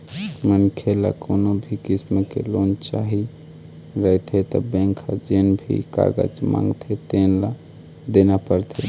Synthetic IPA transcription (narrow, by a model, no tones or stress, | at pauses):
mənkʰela̰konobʱikisməkḛlont͡ʃaɦi | ɾəɦt̪ʰet̪ɔ̰bẽŋkʰad͡ʒenbʱḭka̰ɡə̰d͡ʒmã̰ŋɡt̪ʰet̪enla | d̪enapəɾt̪ʰe